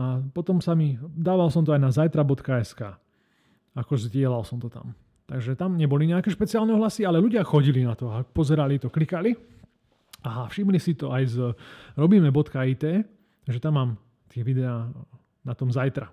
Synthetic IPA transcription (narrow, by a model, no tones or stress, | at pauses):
apɔt̪ɔmsamid̪aːʋalsɔmt̪ɔajnazajt̪ɾabɔt̪kaɛskaː | akɔzɟɪɛlalsɔmt̪ɔt̪a̰m | t̪aɡʒɛt̪amɲɛbɔliɲɛakɛːʃpɛt͡siɪaːlnɛɦlasialɛluɟɪaxɔɟilinat̪ɔapɔzɛɾalit̪ɔklikali | afʃimlisit̪ɔʔajzɾɔbiːmɛbɔt̪kaiːt̪ɛː | t̪aɡʒɛt̪amːaːm | t̪ɪɛʋid̪ɛaː | nat̪ɔmzajt̪ɾa